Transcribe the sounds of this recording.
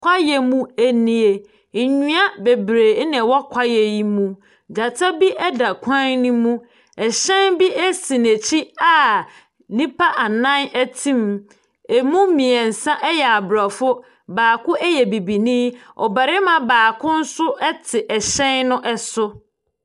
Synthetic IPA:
kʷʰa˦jɛ˨mũ˦æ˦nĩ˦e˨ | ɲũ˦a˦be˨bɾeː˨˦nɛ̃˨wɔ˦kʷʰa˦jɛ˨ji˦mũ˦ | d͡ʑa˨tʰa˦bi˦ʔɛ˦da˨kʷʰã˦nnĩ˦mũ˦ | ɛ˨ɕɛ̃˦nbi˦ɛ˦sĩ˨ne˨t͡ɕʰi˦a˨ | nĩ˦pʰa˦ʔa˨nã˦nɛ˦tʰĩ˦m | e˨mũ˦mĩ˨ɛ˨n̩˨sã˦ʔɛ˦jɛ˨a˨bɾa˨fʊ˦ | baː˨kʊ̃˦ʔɛ˦jɛ˨bi˨bi˨nĩ˦ɔ̰˨ba˨ɾɪ˦mã˨baː˨kʰʊ̃˦n̩˦sʊ˦ʔɛ˦tʰɪ˨ʔɛ˨ɕɛ̃˦nnʊ̃˦ʔɛ˦sʊ˦

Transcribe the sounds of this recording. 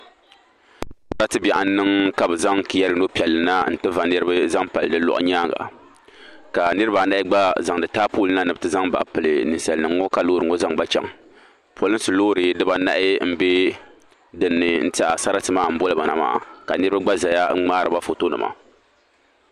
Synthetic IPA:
a˦ɾa˦tɨ˦bɛ˨ʔa˨n˦nːɨ˦ŋka˦bɨ˨za˦ŋki˨ja˦ɾɨ˦no˦pi˨ɛ˨lːɨ˨na˦n̩˦tɨ˦va˨nɨ˦ɾɨ˦ba˦za˦ŋpa˨lɨ˨dɨ˦lɔ̰˨ʔʊ̰˦ɲaː˦ɡa̰˨ | ka˨nɨ˦ɾɨ˦ba˨˦na˦ɪ˦ɡ͡ba˦za˨ŋdɨ˨taː˦puː˦lɨ˦na˦nɨ˨bɨ˦tɨ˦za˦ŋba̰˨ʔpɨ˨lɨ˨nɨ˨sa˨lnɨ˨ŋː˦ɔ˦ka˨loː˦ɾɨ˨ŋɔ˦za˦ŋba˦t͡ʃɛ̰˨ŋ | pʰo˦lɨ˦n˦sɨ˨loː˦ɾɨ˨˦dɨ˦ba˦na̰˦ʔɪ˦m̩˦be˦ | dɨ˨nːɨ˨n̩˦ta˦ʔa̰˨sa˦ɾa˦tɨ˨maː˦˨m̩˦bo˦lɨ˨ba˨na̰˨ma̰ː˨a̰˨ka˨nɨ˦ɾɨ˦ba˦ɡ͡ba˦za˨ja˦ŋ͡maː˦ɾɨ˨ba˦fo˨to˦nɨ̰˨mʔa̰˦˨

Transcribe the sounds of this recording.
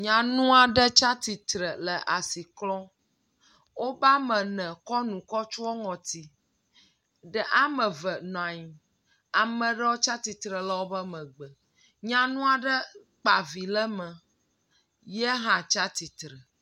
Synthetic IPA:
ɲã˨nũ˦a˨ɖə˦t͡ʃa˦t̪i˨t̪ɾə˨lə˨ʔa˨si˨klɔ̃˦ | wo˦ba˦mə̃˨nɛ̃˨kɔ˦nũ˨kɔ˦t͡ʃu˦ɔ˦ŋɔ̃˨t̪i˨ | ɖə˦ʔa˦mə̃˨və˨ñ˨ã˨ɲi˨ | a˨mə̃˨ɖə˦wo˦t͡ʃa˦t̪i˨t̪ɾə˨la˦wo˦bə˦mə̃˨ɡ͡bə˨ | ɲã˨nũ˦a˨ɖə˦ | k͡pa˨vi˨lə˦mə̃˨ | jɛ˦ɦã˨t͡ʃa˦t̪i˨t̪ɾə˨

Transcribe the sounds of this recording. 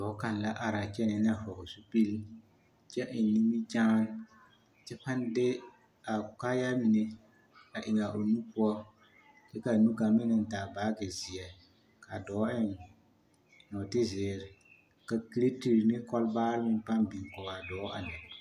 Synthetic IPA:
dɔ˨˦ka˨n˨la˦ʔa˨ɾa˨t͡ʃɛ˦nɛ˨n˦a˨fɔ˨ɡʊ˨su˦pi˦l | t͡ʃɛ˦ʔɪ˨n˨nːi˦mi˦t͡ʃaː˦n | t͡ʃɛ˦pa˦n˦dɪ˦ | a˨ka˦ja˦mi˨ne˦ | a˨ʔɪ˨ŋa˨ʔo˨nu˦pu˦ɔ˦ | t͡ʃɛ˦ka˨nu˦ɡa˨mɪ˦nɪ˨n̩˨taː˨baː˦ɡɪ˨zi˨ɛ˨ | ka˨dɔː˨˦ɪ˦n˨ | nɔ˨tɪ˦zɪː˨˦ɾɪ˨ | ka˨ki˦ɾe˦ti˦ɾnɪ˦kɔ˦lbaː˦ɾɪ˦mɪ˦n˦pa˦nbi˨ŋ˨kɔ˨ɡa˨dɔː˨˦a˨nɛ˨

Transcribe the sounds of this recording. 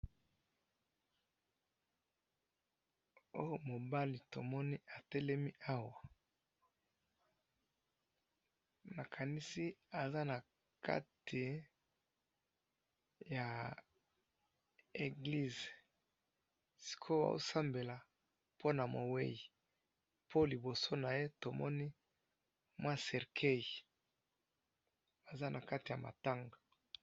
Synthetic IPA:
o˦o˦˨mo˨ba˦li˨to˨mɔ˦ni˦a˨tɛ˦lɛ˦mi˦ʔa˦wa˨ | ma˨kʰa˨ni˦si˦a˨za˦na˨ | ka̰˦tʰi˨ | ja˨ | e˨ɡli˦z | si̥˨kʰo˦ba̰˨o̰˦sa˦mbe˨la˨ | pʰo˦na˨mo˨we˦ji˨ | pʰo˦li˨bo˨so˦na˨je˦to˨mɔ˦ni˦ | mwã˦sɛ˨ʁkʰe˦˨j | a˨za˦nʔa˨ka˦ti˨ja˨ma̰˨ta˦ŋɡa˨

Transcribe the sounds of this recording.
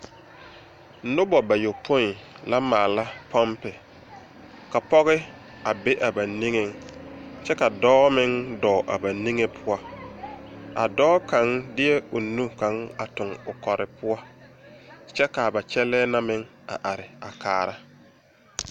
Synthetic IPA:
nʊ˦bɔ˨ba˨jo˨pʰo˦n˨ | la˦maː˨la˦pʰɔ˦mpɪ˨ | ka˨pɔ˦ɣɪ˦ | a˨be˦ʔa˨ba˨ni˦ŋe˨ŋt͡ʃɛ˦ka˨dɔː˦mɪ˦ŋdɔː˨ʔa˨ba˨ni˦ŋe˦pʰʊ˦a˦ | a̰˨dɔː˦ka˨˦ŋdɪ˦jɛ˦ʊ˨nu˦ka˨˦ŋa˨tʊ˨ŋʊ˨kɔ˨ɾɪ˨pʊ˦a˦ | t͡ʃɛ˦ka˨ba˨t͡ʃɛ˦lɛː˦na˦mɪ˦ŋ | a̰˨ʔa˨ɾɪ˨a˨kaː˨ɾa˦

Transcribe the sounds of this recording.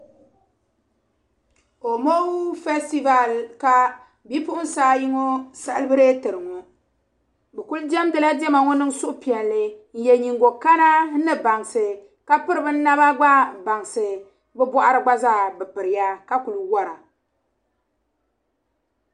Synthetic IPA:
o˨mo˦fɛ˦sti˦va˨lka˨ | bi˦pʊ˦ʔʊ˦n˦saː˦ji˦ŋo˦sa˦lbɨ˦ɾe˦tɨ˨ɾɨ˨ŋo˨ | bɛ˨ku˦ld͡ʒɛ˦m˦dɨ˦˨la˦dɛ˦ma˨ŋo˦nɨ˦ŋsʊ˦ʔʊ˦pi˨ɛ˨lːɨ˦n̩˦˨jɛ˨ɲi˨ŋɡo˨ka˦na˦nɨ˦ba˨ŋsɨ˨ | ka˦pɨ˦ɾɨ˨bɨ˦n˦nːa˦βa˦ɡ͡ba˦ba˨ŋsɨ˨ | bɛ˦bʷɔ˦ʔa˦ɾɨ˨ɡ͡ba˦zaː˦˨bɨ˨pɨ˨ɾɨ˨ja˦ka˦ku˨lwa˦ɾa˨

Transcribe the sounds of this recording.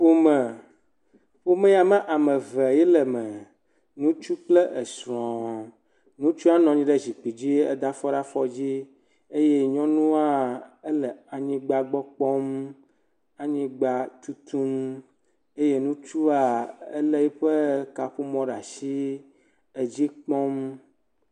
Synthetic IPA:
ɸo˦mə˨ | ɸo˦mɛ̃˦ja˨mə̃˦ʔa˨mə̃˨vɛ˨jɛ˦lɛ˨mə˨ | nũ˦t͡ʃu˦k͡plə˦ʔə˨sɾɔ̃˨ | nũ˦t͡ʃu˦a˦nɔ̃˨ɲĩ˦ɖɛ˦zi˨k͡pi˨d͡ʑi˦ə̰˦d̪a˦fɔ˦ɖa˦fɔ˦d͡ʑi˦ | e˦je˦ɲɔ̃˦nũ˦a˦e˦lə˨a˨ɲĩ˦ɡ͡ba˦ɡ͡bɔ˦k͡pɔ˦m | a˨ɲĩ˦ɡ͡ba˦t̪u˦t̪u˦m | e˦je˦nũ˦t͡ʃu˦a˨ḛ˦lə˦ji˦ɸə˦ka˨ɸu˦mɔ̃˦ɖa˨si˦ | e˨d͡ʑi˦k͡pɔ̃˦m

